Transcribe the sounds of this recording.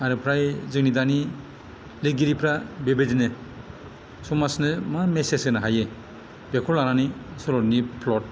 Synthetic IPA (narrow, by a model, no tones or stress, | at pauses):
aɾɯpʰɾajzɯknidani | lɯɡiɾipʰɾabebedinɯ | sumasnɯmamesesɯnaɦaje | bekʰɔlaɾanisɔɾɔɾnipʰlɔt̚